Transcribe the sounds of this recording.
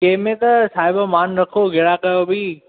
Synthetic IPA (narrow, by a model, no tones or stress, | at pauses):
kẽɦɪ̃mẽt̪ɐsaːɦɪbamaːnɾɐkʰoɡʱɪɽakɐjobʱi